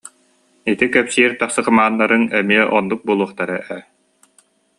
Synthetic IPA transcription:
it̪ikœpsiːɾt̪aχsɯqɯmaːnːaɾɯnɛmiɛʔɔnd̪uk̚bulˠuɔχt̪aɾɯʔɛ

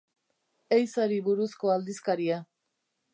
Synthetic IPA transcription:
ejsaɾiβuɾusko̞ald̪iskaɾia

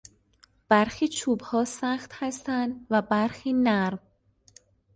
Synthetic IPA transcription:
b̥æɾxiːt͡ʃʰuːbhɒːsæxt̪hæst̪ænd̪væbæɾxiːnæɾm

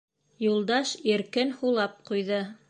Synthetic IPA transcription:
julˠd̪ɑʃiɾkɘnhulˠɑp̚qujðɤ

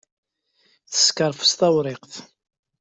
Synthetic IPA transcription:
θə̥skəɾˤfə̥st̪ɑwɾˤɪqθ

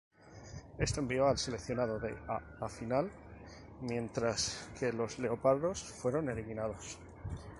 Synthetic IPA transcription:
e̞st̪o̞e̞mbio̞alse̞le̞kθjonað̞o̞ðe̞̰aafinal | mjẽ̞nt̪ɾaskʰe̞lo̞zle̞o̞paɾðo̞sfwe̞ɾo̞ne̞liminað̞o̞s

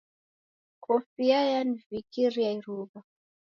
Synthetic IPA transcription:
kʰɔfiajanivikiɾijaiɾuva

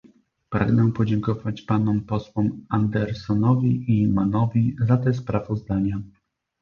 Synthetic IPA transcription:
pɾa̰ɡnɛpɔd͡ʑɛŋkɔvat͡ɕpanɔmpɔswɔmand̪ɛɾsɔnɔvʲiʔimanɔvʲizat̪ɛspɾavɔzd̪aɲa

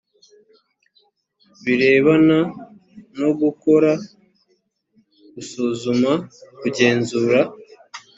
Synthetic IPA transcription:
βiɾe̞ːβana | noɡuko̞ɾa | ɡ̥usuːzumakuɟe̞ːnzuːɾa

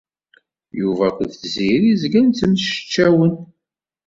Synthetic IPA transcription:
juvækʷəðθziɾizɡænt̪ːəmʃə̥t͡ʃːæwən

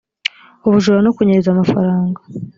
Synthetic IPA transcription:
uβuʒuɾanokuɲeɾezamafa̰ɾaːŋɡa

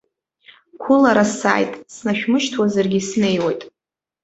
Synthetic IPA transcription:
kʷʰʊlaɾasa̰ːjtʼsnaʃᶣmɨʃtʰwazarɡʲisne̞jwejtʼ

